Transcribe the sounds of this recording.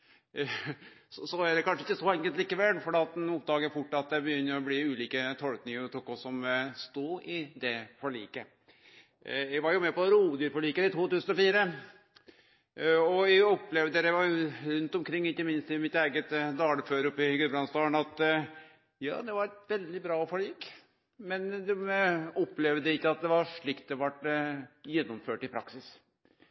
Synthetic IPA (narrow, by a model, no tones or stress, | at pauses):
sɔsɔæd̪ɛkʰɑnʂəɪçkːəsɔɛŋkəlt̪liːkəʋɛlfɔɖeːɑt̪̚d̪ɛnʊp̚d̪ɑːɡəfʊʈːɑt̪̚d̪ɛbəjʏnːəɾɔbliːʉːliːkət̪ʰɔlknɪŋəɾɔt̪uːkːɔsɔmst̪uːɪd̪ɛfʰɔɭḭːkə | jæɡʋɑɾjʊmɛpɔɾuːd̪yːɾfɔɭiːkəɾɪt̪ʰuːt̪ʉːsənɔfiːɾə | ɔjæɔpːlɛʋd̪ɛɾæʋɑɾɾʉnt̪ɔmkʰɾɪŋːɪkːəmɪnst̪ɪmɪt̪æɪɡət̪d̪ɑːləføːɾɔpːɪɡʉbɾɑnsd̪ɑːnɑt̪ | jɑ̰ːd̪ɛʋɑɾɛt̪ʋɛld̪ɪbɾɑːɔfɔɭiːk | mɛnd̪ɛɔpːlɛʋd̪əɛɪkːəɑt̪̚d̪ɛʋɑɾʂɭɪkt̪̚d̪ɛʋɑʈːjɛnːɔmføːʈɪpʰɾɑ̰ksɪs